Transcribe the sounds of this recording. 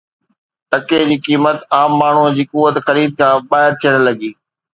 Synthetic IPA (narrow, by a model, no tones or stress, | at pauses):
ʈɐked͡ʑiːkiːmət̪aːmːaːɳ̤uəd͡ʑiːkuʋət̪xɐɾiːd̪̚kʰãːɓaːɦɪɾt̪ʰijəɽ̃lɐɡiː